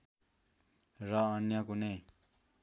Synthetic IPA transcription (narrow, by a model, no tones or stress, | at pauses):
rʌːnjʌkune